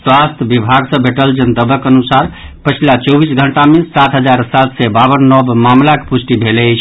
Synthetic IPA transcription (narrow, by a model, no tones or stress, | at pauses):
swast̪ʰbibʱaɡsə̃bʱeʈəld͡ʒənd̪əbəkənusaɾ | pət͡ʃʰilat͡ʃɔbisɡʱəɳʈamesat̪ʰɦəd͡ʒaɾsat̪ʰsɛbaβənːɔbmamlake̥pusʈibʱelɛt͡ʃʰ